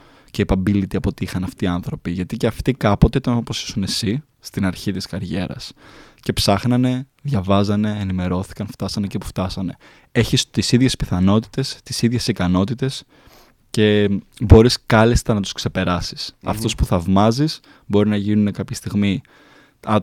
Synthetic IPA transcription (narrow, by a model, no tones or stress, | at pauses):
ce̞ipɐbilit̪iɐpo̞t̪iixɐnɐft̪iːɐnθɾo̞piʝɐt̪iceɐft̪ikɐpo̞t̪e̞it̪ɐnɐt̪ɐposi̥sune̞si | st̪inɐɾçit̪iskɐɾʝe̞ɾɐ̰s | ce̞psɐxnɐne̞ðʝɐvɐzɐne̞ːnime̞ɾo̞θi̥kɐnft̪ɐsɐnecipu̥ft̪ɐsɐne̞ | eçist̪isiðʝe̞spiθɐno̞t̪i̥t̪e̞st̪isiðʝe̞sikɐno̞t̪it̪e̞s | ce̞bo̞ɾiskɐlist̪ɐnɐt̪u̥skse̞pe̞ɾɐsi̥sɐ̰ft̪o̞spuθɐvmɐzis | bo̞ɾinɐʝinune̞kɐpçɐst̪iɣmi | ɐ